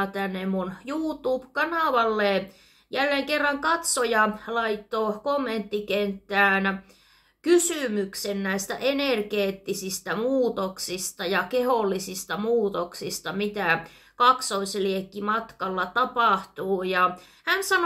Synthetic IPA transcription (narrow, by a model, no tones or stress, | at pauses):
t̪ænːemmunjuːt̪uːpkɑnɑˑʋɑlːe | jælːeːŋkerːɑŋkɑt̪sojɑlɑit̪ːokomːent̪ːikent̪ːæːn | kysymyksennæist̪æ̰ʔenerkeːt̪ːisist̪æmuːt̪oksist̪ɑjɑkeholːisist̪ɑmuːt̪oksist̪ɑmit̪æ | kɑksoisliekːimɑt̪kɑlːɑt̪ɑpɑˑht̪uːjɑ | hænsɑn